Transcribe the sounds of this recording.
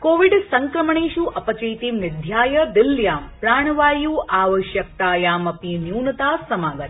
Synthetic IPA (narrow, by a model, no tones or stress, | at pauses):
koːʋiɖsɐŋkɾəməɳ̃eːʃuʔɐpɐt͡ʃɐjt̪iʋnɪd̪ʱjaːjəd̪ɪljaːmpɾaːɳ̃ʋaːjuːʔaːʋəʃjək̚t̪aːjaːmɐpinjuːnət̪aːsɐmaːɡət̪